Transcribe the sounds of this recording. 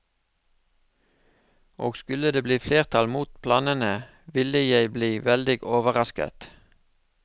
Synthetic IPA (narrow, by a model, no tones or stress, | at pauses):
ʔo̰ːɡskʉləd̪eːbliːfleːʁt̪ʰɑlmuːt̪pʰlɑːnənə | ʋɪləjæɪbliːʋɛld̪ɪɡoːʋəʁɑskə̰t̪